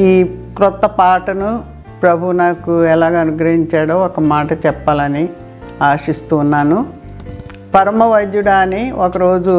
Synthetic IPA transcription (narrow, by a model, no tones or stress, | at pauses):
iːkɾɔt̪ːɐpaːʈɐnu | pɾɐbʱunaːkuɛlaːɡaːɐnuɡɾɐɦiɲt͡ʃaːɽoːɔkɐmaːʈɐt͡ʃɛpːaːlɐni | aːʂist̪uːnːaːnu | pɐɾɐmɐʋɐjd̪juɽaːniɔkɐɾo̞ːd͡ʒu